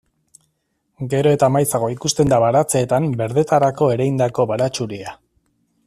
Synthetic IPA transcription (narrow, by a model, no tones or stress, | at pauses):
ɡe̞ɾo̞e̞t̪aːmajt͡saɣ̞o̞ikust̪e̞nd̪aβaɾat͡se̞ːt̪ambe̞ɾðe̞t̪aɾako̞e̞ɾejnd̪ako̞βaɾat͡ʃuɾia